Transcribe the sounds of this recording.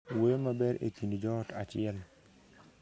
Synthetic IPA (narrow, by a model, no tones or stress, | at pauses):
wojomabɛɾḛkindid͡ʒɔtat͡ʃɪɛl